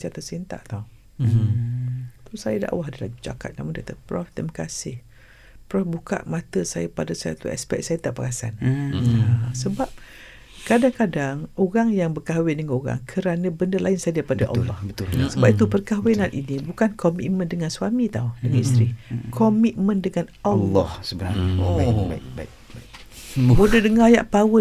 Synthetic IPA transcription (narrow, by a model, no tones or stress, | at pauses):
sat̪əsint̪a̰ʔt̪au | t̪ɔsajada̰ʔwaɦadala̰ut͡ʃa̰ka̰t̪̚namuŋndat̪apɾɔft̪ɛmakasɪh | pɾɔfbuka̰ʔmat̪əsajapadasaja̰t̪uɛ̰spɛ̰k̚sajət̪aʔpakasa̰n | səbap̚ | kadaŋkadaŋoɣaŋjaŋbərkawɪndəŋanoɾa̰ŋkʰəɾanə̃bəndalaɪnsajadapadaʔa̰lːɔ̰hbət̪usəbap̚it̪upərkawenanʔinibukankʰɔmḭt̪̚mə̃ndəŋanswamit̪audəŋanist̪ɾikʰɔmit̪̚mə̃ndəŋanalːhsəəa | bodədəŋaja̰ʔpawə